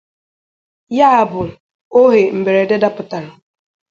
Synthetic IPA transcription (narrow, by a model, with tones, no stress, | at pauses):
ja˦a˨bʊ˨ | o˦ɦe˨m̩˨be˨ɾe˨de˦da˦pʊ˨ta˨ɾʊ˨